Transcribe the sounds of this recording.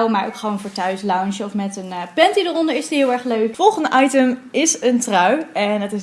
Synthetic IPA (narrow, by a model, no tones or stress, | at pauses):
wmaːɹo̰wkχəʋoːwnvoːɹtœɥslɑwnʃəɔfmɛtənpɛntidərɔndəɹɪsdiɦɪːlˠɛɹχløɥkfɔlˠχəndəʔɑjtəmɪsəntrɑwɛnɑtɪs